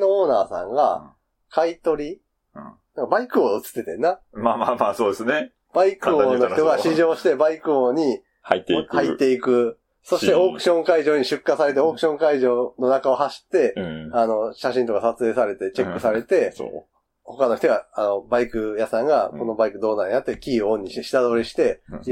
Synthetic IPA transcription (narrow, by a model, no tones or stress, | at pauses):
nooːnaːsã̰ŋɡa̰ | kʰait̪o̞ɾʲi | nãŋkabaikɯ̟oɯt͡sɨ̥t̪ːe̞t̪ẽ̞̰nːamamamaːsoːd̪esɨne | b̥aikɯonoçt̪oɡaɕiʑo̞ːɕi̥t̪e̞baikɯ̟oɲ̟i | hait̪ːekhait̪ːe̞ikɯ̟ | so̞ɕi̥t̪e̞oːkɯ̟̥ɕõ̞ŋkaiʑoːɲ̟iɕɨkːasaɾe̞t̪̬e̞o̞ːkɯ̟ɕõ̞ŋkaiʑo̞ːno̞nakao̞haɕi̥t̪ːe̞ano̞ɕaɕĩnt̪o̞kasat͡sɨeːsaɾe̞t̪e̞t͡ɕe̞kːɯ̟saɾe̞t̪e̞̰ | ho̞kano̞çi̥t̪o̞ɡaano̞baikɯ̟jasãŋɡako̞no̞baikɯ̟d̪o̞ːnaɲ̟iat̪ːe̞kʲiːoõɲ̟ːiɕit̪eɕi̥t̪ad̪o̞ːɾʲiɕi̥t̪e̞